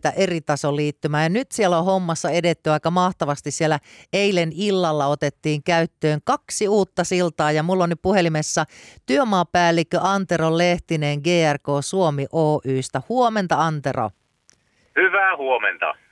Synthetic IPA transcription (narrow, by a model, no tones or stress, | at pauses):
t̪æʔerit̪ɑsoliːt̪ːymæːjɑnyt̪sielohomːɑsːɑedet̪ːyʋɑikːɑmɑht̪ɑʋɑst̪issielːæeilenilːɑlːɑot̪et̪ːiːŋkæyt̪ːøːŋkɑksiuːt̪ːɑsilt̪ɑːjɑmulːonːyppuhelimesːɑt̪yømɑːpæːlːikːøʔɑnt̪erolleht̪ineːŋɡeːærkoːsuomiʔoːʔyːst̪æhuoment̪ɑɑnt̪ero̰ | hyʋæːhuomḛnt̪ɑ̰